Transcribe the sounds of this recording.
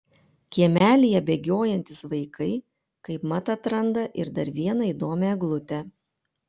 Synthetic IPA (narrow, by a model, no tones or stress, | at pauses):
kʲiɛmʲæːlʲɪjɛbʲeːɡʲoːjɛnʲt̪ʲɪsʋɐɪkʰɐɪ | kɐɪpmɐt̪ɐt̪ɾɐnd̪ɐʔɪ̰ɾd̪ɐɾʋʲiɛnɐiːd̪oːmʲɛɡlˠʊt̪ʲɛ